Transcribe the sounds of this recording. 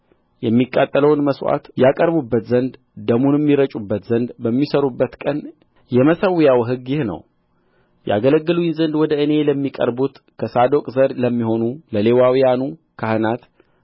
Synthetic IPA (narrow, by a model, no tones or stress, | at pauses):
jɛmːikʼːat̪ʼːələwnməswa̰t̪jakʼəɾbubːət̪zənd̪ | d̪əmunmːiɾət͡ʃʼubːət̪zənd̪bəmːisəɾubːət̪kʼən | jɛməsəwːjawɦɨɡjɪhnə̰w | jʔa̰ɡələɡːɨlujinzənd̪wɔd̪əʔɨne̞ləmːikʼə̰ɾbut̪ | kʰəsad̪o̞kʼzəɾləmːiho̞nuləle̞wawijanu | kʰahɨnat̪